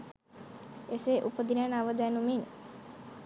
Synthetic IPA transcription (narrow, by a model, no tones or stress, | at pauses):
eseːʔupəd̪inenaʋəd̪ɛːnumin